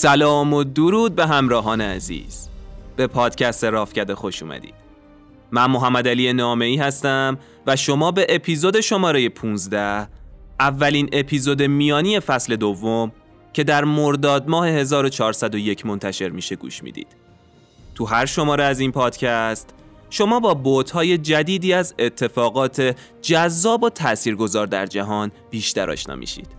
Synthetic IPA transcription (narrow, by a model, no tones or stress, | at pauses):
sælɒːmod̪uɾuːd̪̚be̞ɦæmɾɒːɦɒːneæ̰zḭːz̥b̥e̞pʰɒːd̪̥cʰæst̪eɾɒːfcæd̪exo̞ʃṵːmæ̰d̪ḭːd̪̥ | mænmo̞ɦæmːæd̪ælijenɒːme̞iːhæst̪æm | væʃo̞mɒːbe̞ʔepʰiːzod̪e̞ʃo̞mɒːɾe̞je̞pʰuːnzd̪æhʔævːæliːne̞pʰiːzod̪e̞mijɒːnije̞fæsle̞d̪ovːom | cʰe̞d̪æɾmo̞ɾd̪ɒːd̪̚mɒːhe̞he̞zɒːɾo̞t͡ʃʰɒːɾsæd̪o̞je̞cʰmo̞nt̪ʰæʃe̞ɾmiːʃe̞ɡṵːʃmḭd̪ḭːd̪̥ | t̪ʰuɦæɾʃo̞mɒːɾeæzinpʰɒːd̪̥cʰæst̪ | ʃo̞mɒːbɒːbot̪hɒːje̞d͡ʒæd̪iːd̪iːæzet̪ʰːe̞fɒːɣɒːt̪ʰe̞ | d͡ʒæzːɒːbot̪ʰæʔsiːɾɡo̞zɒːɾd̪æ̰ɾd͡ʒæɦɒːn | b̥iːʃt̪æɾɒ̰ːʃnɒ̰ːmḭːʃḭːd̪̥